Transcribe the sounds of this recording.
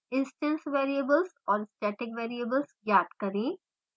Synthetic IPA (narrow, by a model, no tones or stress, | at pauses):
ɪ̃nsʈə̃nsʋeːɾiəbəlzɔːɾɪsʈeːʈɪkʋeːɾiəbəlzjaːd̪kɐɾẽː